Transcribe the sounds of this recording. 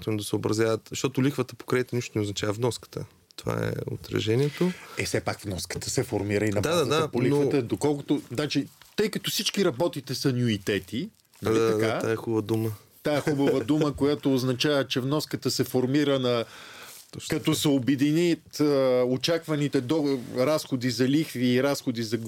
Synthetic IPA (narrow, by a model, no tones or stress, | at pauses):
jat̪ond̪ɐsəobɾɐzʲjavət̪zɐʃt̪ɔt̪ʊlixvət̪əpo̥kɾɛit̪əniʃt̪onɛoznɐt͡ʃavəvnɔskə̥t̪ə̰ | t̪o̥va̰ɛ̰o̰t̪ɾɐ̰ʒɛniɛt̪oɛfsɛpakvnɔskə̥t̪əsɛfoɾmiɾəinɐb̪d̪ad̪azɐd̪apolinokvət̪əd̪okɔlˠkʊt̪oznat͡ʃit̪ɤjkət̪osit͡ʃkiɾɐbɔt̪it̪ɛsɐnʲjuit̪ɛt̪i | nɐlit̪ɐkaaɛxubvəd̪umə | t̪aɛxubəvəd̪uməkojat̪oːznɐt͡ʃavət͡ʃɛvnɔskət̪əsɛfoɾmiɾənɐ | kɐt̪ɔsɛobɛd̪init̪əot͡ʃakvɐnit̪ɛd̪ɔɾasxod̪izɐlixviːɾasxod̪izɐ